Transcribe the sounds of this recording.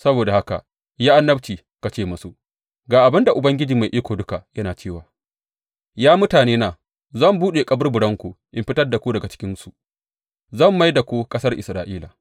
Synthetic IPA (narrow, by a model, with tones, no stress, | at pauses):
sɐ˦boː˨da˨ha˦ka̰˨ | jaː˦ʔa˦nːɐ˦bt͡ʃiː˨ | ka˨t͡ʃeː˦˨mʊ˦su˦ | ɡaː˨ʔa˨bɪ˦nda˨ʔʊ˨bɐ˦ŋɡʲɪ˦d͡ʒiː˨ma˨jʔiː˦kʷoː˨dʊ˦ka˨jɐ˦naː˨t͡ʃeː˦˨waː˨ | jaː˦mʊ˦taː˨neː˦naː˨ | zɐ˦˨mbuː˦ɗeː˨kʼɐ˦bɐ˦rbʊ˨ɽɐ˦ŋkʷu˨ʔɪ˨mɸɪ˦tɐ˦rda˨kʷu˦dɐ˨ɡa˨t͡ʃɪ̥˦kʲɪ˦nsu˨ | zɐ˦˨mːa˦jda˨kʷu˦kʼɐ˦sɐ˦rʔɪ̰˨sɾaː˨ʔiː˦la̰˨